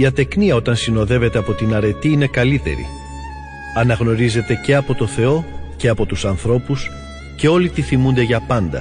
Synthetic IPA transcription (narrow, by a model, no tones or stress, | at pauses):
iɐt̪e̞kniɐo̞t̪ɐnsino̞ðe̞ve̞t̪e̞ɐpo̞t̪inɐɾe̞t̪iine̞kɐlit̪e̞̰ɾḭ | ɐnɐɣno̞ɾize̞t̪e̞ce̞ɐpo̞t̪o̞θe̞o̞ce̞ɐpo̞t̪usɐnθɾo̞pus | ce̞o̞lit̪iθimund̪e̞ʝɐpɐnd̪ɐ̰